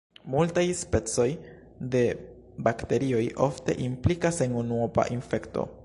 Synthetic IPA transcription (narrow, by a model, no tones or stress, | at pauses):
multajspe̞t͡so̞j | de̞ | bakte̞ɾio̞jʔo̞fte̞̰ʔimplikasenunuopa̰ʔinfe̞kto̞̰